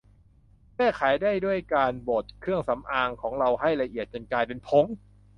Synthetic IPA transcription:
kɛː˥˩kʰaː˩˦jdaː˥˩jdu˥˩əjkaː˧nboː˨˩t̪̚kʰɾɯ˥˩əŋsa˩˦mʔaː˧ŋkʰɔː˩˦ŋɾa˧wɦa˥˩jɾa˧ʔi˨˩ət̪̚t͡ɕo˧nkaː˧jpe˧npʰo˨˦˥ŋ

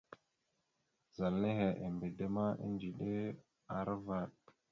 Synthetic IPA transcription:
za˨lne˦ɦe˨ʔe˨mbe˨de˦ma˦ḭ˦nd͡ʒi˨ɗe˦ | a˨ɾva˨ɗ̚

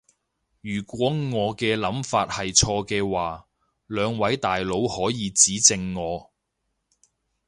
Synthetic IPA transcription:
jyː˨˩kʷɔː˨˥ŋɔː˨˧kɛː˧lɐ˨˥mfaː˧t̚hɐ˨jt͡ʃʰɔː˧kɛː˧waː˨ | lœː˨˧ŋwɐ˨˥jt̪aː˨jlo˨˧˥whɔː˨˥jiː˨˧t͡siː˨˥t͡sɪ˧ŋːɔː˨˧

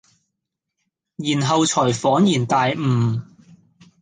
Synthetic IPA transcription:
jiː˨˩nɦɐ˨wt͡sʰɔː˨˩jfɔː˨˥njiː˨˩nt̪aː˨jmm̩ː˨˩

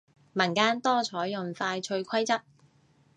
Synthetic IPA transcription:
mɐ˨˩nkaː˥nt̪ɔː˥t͡ʃʰɔː˨˥jːʊ˨ŋfaː˧jt͡ʃʰɵ˧ɥkʰɐ˥jt͡sɐ˥p̚

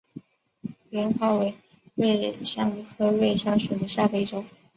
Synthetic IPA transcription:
lɛ˧˥nxwa˥˩we˧˥ɪ | ɻe˥˩ɪɕjɑ˥˩ŋi˧˥kʰɤ˥ɻe˥˩ɪɕjɑ˥ŋʂu˨˩d̪ə˦ɕja˥˧fe˥˧i˥˩ʈ͡ʂʊ˨˩˦

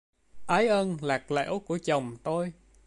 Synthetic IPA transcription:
ʔaː˨˦jʔə˧nlaː˨˩k̚lḛ˧˥˦wku˧˩ət͡ɕə˨˩wŋ͡mt̪o˧j

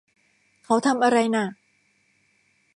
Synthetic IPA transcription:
kʰa˨˥wt̪ʰa˧mʔa˧ɾa˧jna˧˩

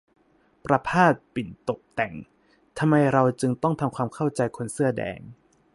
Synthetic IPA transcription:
pɾa˧pʰaː˥˩t̪̚pi˨˩nt̪o˨˩p̚t̪ɛ˨˩ŋ | t̪ʰa˧mːa˧jɾa˧wt͡ɕɯ˧ŋt̪ɔ˥˩ŋt̪ʰa˧mkʰwaː˧mkʰa˥˩wt͡ɕa˧jkʰo˧nsɯ˥˩ɐdɛ̰ː˧ŋ

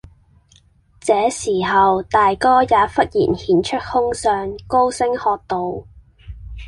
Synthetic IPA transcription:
t͡sɛː˨˥siː˨˩ɦɐ˨wt̪aː˨jkɔː˥jaː˨˧fɐ˥t̚jḭː˨˩nhiː˨˥nt͡ʃʰɵ˥t̚hʊ˥ŋsœː˨˧ŋko˥wsɪ˥ŋhɔː˧k̚t̪o˨˧w

